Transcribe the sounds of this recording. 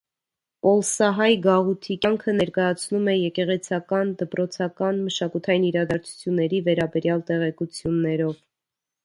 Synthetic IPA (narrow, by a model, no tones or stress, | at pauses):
pɔlsɑɦɑjɡɑʁut̪ʰikɑŋkʰənɛɾkɑjɑt͡sʰnumɛjɛkɛʁɛt͡sʰɑkɑnd̪əpɾɔt͡sʰɑkɑnməʃɑkut̪ʰɑjiniɾɑd̪ɑɾt͡sʰu̥t͡sʰjunːɛɾivɛɾɑbɛɾjɑlt̪ɛʁɛkut͡sʰjunːɛɾɔv